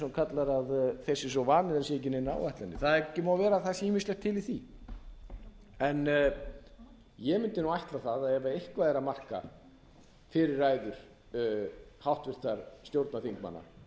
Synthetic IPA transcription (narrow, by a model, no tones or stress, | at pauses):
nkʰat̪laɾaðθɛsːɪs̬ɔvaːnɪðɛnsɛɛcːɪnena̰ːwvaht̪lanːɪθaðɛcɪmawvɛːɾaθasiːmɪslɛxt̪ʰːɪliθi | ɛn | jɛmɪnt̪ɪnuːajht̪laθaðaɛvaehkvaðɛɾamar̥ka̰ | fɪɾɪɾːaːjðʏɾ̥ | hawht̪vɪr̥t̪aɾ̥st̪jowɾt̪naθiŋkma̰nːa̰